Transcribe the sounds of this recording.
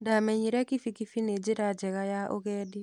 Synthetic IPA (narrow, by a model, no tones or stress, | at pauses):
ndamɛɲiɾɛkifikifined͡ʒiɾad͡ʒɛɣajaʔoɣɛːdi